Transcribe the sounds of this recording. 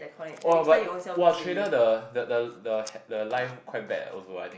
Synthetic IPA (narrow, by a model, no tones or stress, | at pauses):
ɛbatwɛtʰɹẽnədədədədəhɛdəlãɪfkʰwaɪt̚bɛ̰tɔ̰doa̰t̪